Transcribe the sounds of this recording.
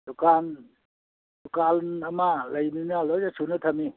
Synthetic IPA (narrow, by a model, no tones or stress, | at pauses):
dukan | dukalnamalajninalɔzasʰunɯt̪ʰami